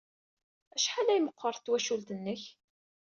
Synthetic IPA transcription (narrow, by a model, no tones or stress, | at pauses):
æʃħalæjməqːəɾˤθt̪ːwæʃult̪ənːəç